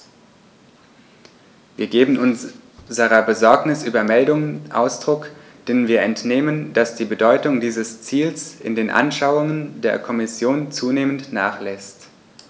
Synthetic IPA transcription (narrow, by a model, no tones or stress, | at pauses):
viːɐɡeːbm̩ʔʊnzəʁɐbəzɔɐknɪsʔyːbɐmɛldʊŋəʔa̰ʊsd̥ʁʊk | d̥eːnviːɐɛntneːmənd̥asd̥iːbədɔʏtʊŋdiːzəst͡siːlsɪ̰ndeːnʔa̰nʃaʊʊŋəndeːɐkʰɔmɪsjoːnt͡suːneːməntna̰ːχlɛst